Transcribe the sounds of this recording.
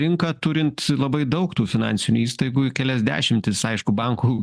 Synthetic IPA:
ɾʲɪŋkɐt̪ʊɾʲɪnt̪lˠɐbɐɪd̪ɐʊkt̪uːfʲɪnɑ̰nʲsʲɪnʲuiːst̪ɐɪɡuːɪkʲɛlʲɛzʲd̪ʲæ̰ːʃʲɪmʲt̪ʲɪsɐɪʃkʊbɑŋkuː

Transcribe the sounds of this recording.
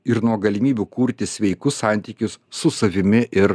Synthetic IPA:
ɪɾnuɔɡɐlʲɪmʲiːbʲukuːɾʲt̪ʲɪsʲʋʲɛɪkʊssɑˑnʲt̪ʲiːkʲʊsːʊsɐʋʲɪmʲɪʔɪɾ

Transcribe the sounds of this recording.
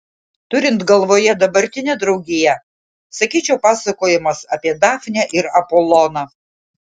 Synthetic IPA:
t̪ʊɾʲɪnt̪ɡɐlˠʋoːjɛd̪ɐbɐɾʲt̪ʲɪnʲɛd̪ɾɒʊɡʲɪjɛ | sɐkʲiːt͡ʃʲɛʊpɑːsɐkoːjɪmɐsɐpʲiɛd̪ɑːfnʲɛʔɪɾɐpolˠɔnɐ

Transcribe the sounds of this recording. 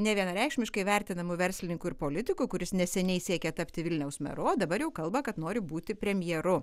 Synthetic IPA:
nʲɛʋʲiɛnɐɾʲɛɪkʃʲmʲɪʃkɐɪʋʲɛɾʲt̪ʲɪnɐmʊʋʲɛɾʲsʲlʲɪnʲɪŋkʊɪɾpoːlʲɪt̪ʲɪkʊkʊɾʲɪsnʲɛsʲɛnʲɛɪsʲiɛkʲɛt̪ɐpʲt̪ʲɪʋʲɪlʲnʲɛʊsmʲɛ̰ɾoːd̪ɐbɐɾjɛʊkɐlˠbɐkɐt̪noːɾʲɪbuːt̪ʲɪpʲɾʲɛmʲjɛɾʊ

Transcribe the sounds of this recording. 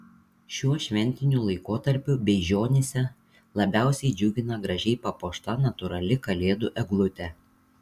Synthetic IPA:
ʃʲuɔʃʲʋʲɛnʲt̪ʲɪnʲulˠɐɪkoːt̪ɐɾʲpʲʊbʲɛɪʒʲoːnʲesʲɛ | lˠɐbʲæˑʊsʲɛɪd͡ʒʲʊɡʲɪnɐɡɾɐʒʲɛɪpɐpoːʃt̪ɐnɐt̪ʊɾɐlʲɪkɐlʲeːd̪ʊʔɛɡlˠʊt̪ʲɛ

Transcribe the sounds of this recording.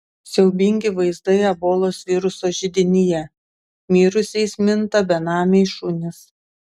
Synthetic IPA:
sʲɛʊbʲɪŋʲɡʲɪʋɐɪzd̪ɐɪɐboːlˠoːsʋʲɪɾʊsoːʒʲɪd̪ʲɪnʲɪjɛ | mʲiːɾʊsʲɛɪsmʲɪnt̪ɐbʲɛnɑːmʲɛʃunʲɪs

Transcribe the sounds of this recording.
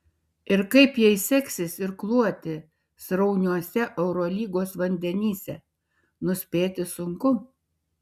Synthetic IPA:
ɪɾkɐɪpjɛɪsʲɛksʲɪsɪɾklˠuɔt̪ʲɪ | sɾɐʊnʲuɔsʲɛʔɛʊɾoːlʲiːɡoːsʋɐnʲd̪ʲɛnʲiːsʲɛ | nʊsʲpʲeːt̪ʲɪsʊŋkʊ

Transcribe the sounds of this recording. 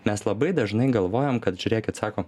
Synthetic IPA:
mʲɛslˠɐbɐɪd̪ɐʒnɐɪɡɐlˠʋoːjomkɐt̪ʒʲʊɾʲeːkʲɪt̪sɑːkoː

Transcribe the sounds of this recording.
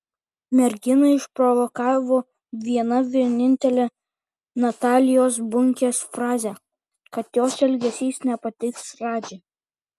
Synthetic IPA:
mʲɛɾʲɡʲɪnɐɪʃpɾɔʋɔkɑːʋoː | ʋʲiɛnɐʋʲiɛnʲɪnʲt̪ʲɛlʲe | nɐt̪ɑːlʲɪjoːs̬bʊŋʲkʲeːsfɾɑːzʲɛ | kɐt̪joːsɛlʲɡʲɛsʲiːsnʲɛpɐt̪ʲɪɪksɾɑːd͡ʒʲɛ

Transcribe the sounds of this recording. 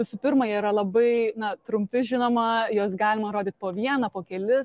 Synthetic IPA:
ʋʲɪsʊpʲɪrmɐjɛɾɐlˠɐbɐɪnɐt̪ɾʊmʲpʲɪʒʲɪnoːmɐjoːsɡɑːlʲɪmɐɾoːd̪ʲiːt̪̚poːʋʲiɛnɐpoːkʲɛlʲɪ

